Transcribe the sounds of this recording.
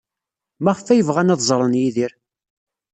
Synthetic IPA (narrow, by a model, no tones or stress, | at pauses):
mæʁəfæjəvʁænæðzˤɾˤənjiðiɾ